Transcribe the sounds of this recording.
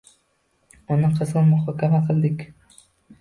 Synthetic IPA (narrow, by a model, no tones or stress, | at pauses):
ʊnɪqʰɨzʁɨnmʊχɒkʲʰamaqʰɨlˠd̪ɪkʲ